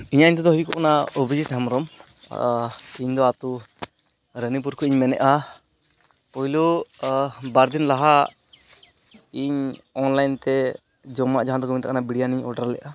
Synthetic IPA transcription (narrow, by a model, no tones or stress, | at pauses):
iɲaiɲt̪ɛd̪ɔɦukɔʔnaobʱid͡ʒit̪ɦamɾɔm | iɲd̪ɔat̪u | ɾənip̬uɾkʰuiɲmɛnɛ̰ʔa | pɔɦilu | baɾd̪inlaɦa | iɲɔnlajnt̪ɛ | d͡ʒɔmaʔd͡ʒaɦãd̪ɔkɔmiɲt̪akanabiɽijaniɲɔ̰ɖaɾlɛ̰ʔa